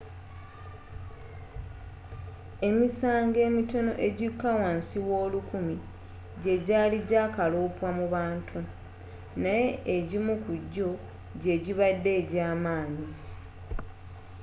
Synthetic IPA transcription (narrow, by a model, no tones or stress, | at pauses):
e̞misaːŋɡe̞ːmito̞no̞̰ʔe̞ɟikːawaːnsiwo̞ːlukumi | ɟe̞ɟaːliɟaːkaloːpwamuβaːntʰu | naje̞ːɟimukuɟːo̞ | ɟe̞ɟiβadːe̞ːɟaːmaːni